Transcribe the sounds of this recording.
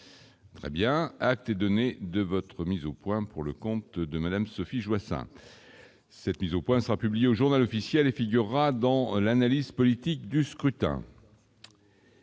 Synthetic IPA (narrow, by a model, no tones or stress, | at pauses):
t̪χɛ̰bjɛ̃ak̚t̪ɛd̪ɔned̪əvɔt̪χəmizopwɛ̃puʁləkɔ̃t̪d̪əmad̪amsɔfiʒwasɛ̰̃ | sɛt̪mizopwɛ̃səʁapyblijeoʒuʁnalɔfisjɛlefiɡʲyʁːad̪ɑ̃lanalizpɔlit̪ikd̪yskχyt̪ɛ̰̃